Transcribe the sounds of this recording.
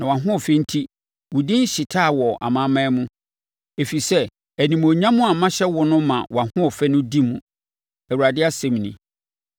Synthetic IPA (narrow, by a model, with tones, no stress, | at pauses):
nã˨wã˨ɦʊ̃˦ɔ˨fɛ˦n̩˦tʰi˦ | wʊ˨dĩ˦n̩˦ɕɪ˨tʰaː˦˨wɔ˨ʔa̰˨mã˦mã˦mũ˦ | e˨fi˨sɛ˦ | æ˨nĩ˨m˨o˨ɲã˦mʊ̃˦a˨mã˦ɕɛ˦wɔ˦nʊ̃˦mã˨wa˨hʊ̃˦ɔ˨fɛ˦nʊ̃˦di˦mũ˨ | æ˨wu˨ɾa˨dɪ˦a˦sɛ̃˦mnḭ̃˨